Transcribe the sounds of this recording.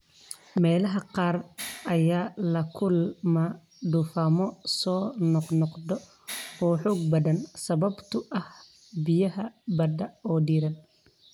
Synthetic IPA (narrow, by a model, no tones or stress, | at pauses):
mɛːlɐɦɐqɑːrʔɐjaːlɐkʰʊlma | ɖ̪ʊfaːmɔsɔːnɔqnɔqd̪ɔ | ɔːħɔːɡ̚bɐðɐnsɐβɐbt̪ʰʊʔɐh | bɪjɐɦɐbɐd̪ɐɔːɖiːɾɐn